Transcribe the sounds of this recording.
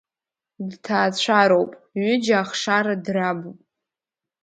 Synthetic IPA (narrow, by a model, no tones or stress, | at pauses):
dtʰaːt͡ɕʷʰaɾowpʼɥʏd͡ʒaːχʂaɾadrabupʼ